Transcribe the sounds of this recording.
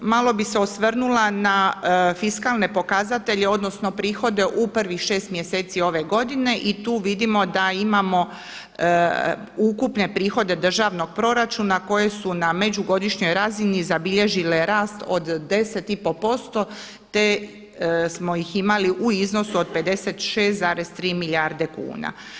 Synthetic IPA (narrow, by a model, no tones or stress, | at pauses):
malˠo̞bise̞osʋrnulanafiskaːlne̞po̞kazat̪e̞ʎeo̞d̪no̞sno̞pɾiːxo̞d̪e̞ʔupr̩ʋixʃe̞ːst̪mjeseːt̪sio̞ʋe̞ɡo̞d̪ine̞ʔit̪uːʋid̪imo̞d̪aimamo̞ | ukupne̞pɾiːxo̞d̪e̞d̪r̩ʒaʋno̞ɡ̥̚pɾo̞ɾat͡ʃuːnako̞je̞suname̞d͡ʑuɡo̞d̪iʃɲo̞jɾazinizabiʎe̞ʒile̞ɾaːst̪o̞d̪ːe̞se̞t̪ipo̞po̞st̪o̞ | t̪e̞ | smo̞jiximaliʔuizno̞suod̪̚pe̞d̪e̞se̞t̪ʃeːst̪zaːɾe̞st̪ɾiːmiljaːɾd̪e̞kṵːna̰